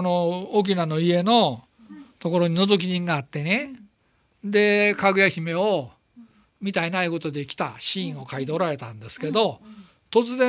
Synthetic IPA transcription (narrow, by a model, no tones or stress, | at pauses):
onooːk̬ʲinano̞ie̞no̞ | t̪o̞koɾo̞ɲ̟ino̞d̪o̞k̬ʲiɲĩŋɡaːt̪ːe̞ne | d̪e̞kaɡɯ̟jaçʲime̞o | mʲit̪aenaiko̞t̪o̞d̪e̞kʲi̥t̪a̰ɕĩɰ̃o̞kaid̪oːɾaɾe̞t̪ãnd̪e̞sɨ̥ke̞d̪o̞ | t̪o̞t͡sɨzẽ